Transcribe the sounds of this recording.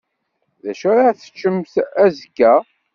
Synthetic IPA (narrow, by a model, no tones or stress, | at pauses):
ðæʃʊɾaθə̥t͡ʃːəmθæzəkːæ